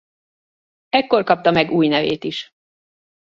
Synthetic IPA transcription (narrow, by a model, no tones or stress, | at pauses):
ɛkːo̞rkɒp̚t̪ɒmɛɡuːjnɛvḛːt̪iʃ